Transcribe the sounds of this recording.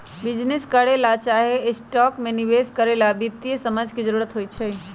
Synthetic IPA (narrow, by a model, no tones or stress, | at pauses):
bid͡ʒneskəɽelat͡ʃaɦesʈɔkmeniʋeskəɾelabit̪ːijesəməd͡ʒʱked͡ʒəɾuɾət̪ɦojt͡ʃʰɛ